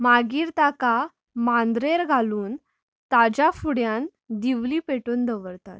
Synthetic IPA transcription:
maɡiːɾt̪aka | mand̪ɾeɾɡʱaluːn | t̪ad͡ʑafuɽjãn | d̪iʋliːpeʈuːnd̪əʋəɾt̪at̪

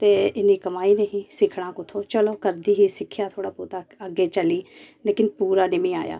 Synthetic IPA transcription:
t̪eːɪniːkəmaːiːneɦĩːsɪkʰɽ̃ãːkʊt̪ʰoːt͡ʃəloːkəɾd̪iːɦiːsɪkʰjaːt̪ʰoːɽaːpot̪aəɡeːt͡ʃəliːleːkɪnpuːɾaːnɪmĩːa̰ːja̰ː

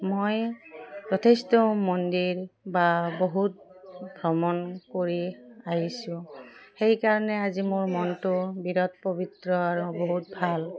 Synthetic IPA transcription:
mojzɔtʰestɔmɔndiɹbaboɦut̚bʱɹɔmɔnkoɹiaɦisũxejkaɹɔnɛazimʊɹmɔntʊbiɾɔt̪̚pɔbitɹɔaɹuboɦut̚bʱal

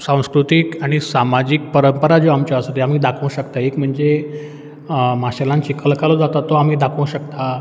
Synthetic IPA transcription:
sãw̃skɾut̪ikaɽ̃isamad͡ʑiːk̚pəɾəmpəɾad͡zoamt͡ɕjaəsət̪eam̤iːd̪akʰə̃w̃ɕəkt̪aekm̤əɳd͡ze | maɕalãnt͡ɕiːkəlkalod͡zat̪at̪ɔamiːd̪akʰə̃w̃ɕəkt̪a

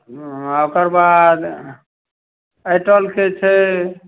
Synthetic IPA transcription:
aokəɾbad̪ | əjʈəlket͡ʃʰɛ

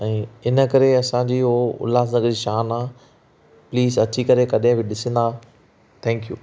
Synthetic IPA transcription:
ɛ̃ːɪnə̆kɐɾeɐsãd͡ʑiːɦoːʊ̰laːs̬nɐɡiʃaːnaː | pliːzɐt͡ɕikɐɾekɐɗɪ̃bɪɗɪsə̃nd̪aː | t̪ʰɛ̃ːŋkjṵː

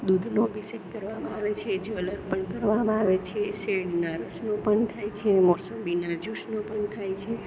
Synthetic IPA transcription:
d̪ud̪ʱnobisekkəɾʋamãaʋet͡ʃʰed͡ʒeələɾpəɳkəɾʋamãaʋet͡ʃʰeseɽnaɾəsnopəɳt̪ʰajt͡ʃʰemɔsəmbinad͡ʒuʃnopəɳt̪ʰajt͡ʃʰe

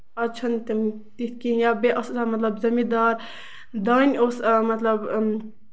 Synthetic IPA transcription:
ɐt͡ʃʰɐnt̪im | t̪it̪̚ʰkĩjabeʔɐssamɐt̪lɐbzɐmid̪aːɾ | d̪aːnʲosmɐt̪lɐb

